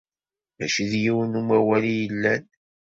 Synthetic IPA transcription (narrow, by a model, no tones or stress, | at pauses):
mæʃiðjiwənumæwælijəlːæn